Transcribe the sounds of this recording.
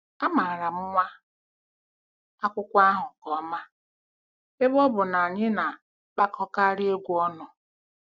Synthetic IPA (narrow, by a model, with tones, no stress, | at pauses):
a˦ma˨ɾa˨m̩˦ŋʷa˦ | a˦kʷʊ˦kʷa˦ɦʊ˨kɔ˨˦ma˦ | e˦bɔ˦bʊ˨na˨ɲɪ˦na˨ | k͡pa˦kʰɔ˦ka˦ɾɪ˦e˦ɡʷu˦ɔ˦nɔ˨